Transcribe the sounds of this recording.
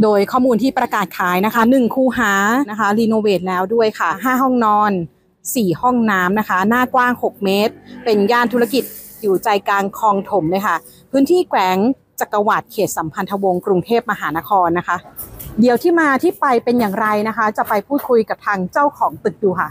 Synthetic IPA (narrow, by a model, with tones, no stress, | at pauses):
doː˧jkʰɔː˥˩muː˧nt̪ʰiː˥˩pɾa˧kaː˨˩t̪̚kʰaː˨˦jna˦˥kʰa˦˥nɯ˨˩ŋkʰuː˧ɦaː˩˦na˦˥kʰa˦˥liː˧noː˧weː˨˩t̪̚lɛː˦˥wdu˥˩əjkʰa˥˩ɦaː˥˩ɦɔ˥˩ŋnɔː˧˥n | siː˨˩hɔ˥˩ŋnaː˦˥mna˦˥kʰa˦˥naː˥˩kwaː˥˩ŋho˨˩k̚meː˦˥t̪̚pe˧njaː˥˩nt̪ʰu˦˥a˧ki˨˩t̪̚ | juː˨˩t͡ɕa˧jkaː˧nkʰɔː˧ŋt̪ʰo˩˦mloː˥˩jkʰa˥˩ | pʰɯː˦˥nt̪ʰiː˥˩kwɛː˩˦ŋ | t͡ɕa˨˩kːa˧wa˨˩t̪̚kʰeː˨˩t̪̚sa˩˦mpʰa˧nt̪ʰa˧wo˧ŋkɾu˧ŋt̪ʰeː˥˩p̚ma˧ɦaː˩˦na˦˥kʰɔː˧nːa˦˥kʰa˦˥di˨˩əwt̪ʰiː˥˩maː˧t̪ʰiː˥˩pa˧jpe˧njaː˨˩ŋɾa˧jna˦˥kʰa˦˥t͡ɕa˨˩pa˧jpʰuː˥˩t̪̚kʰu˧jka˨˩p̚t̪ʰaː˧ŋt͡ɕa˥˩wkʰɔː˩˦ŋt̪ɯ˨˩k̚duː˧kʰa˥˩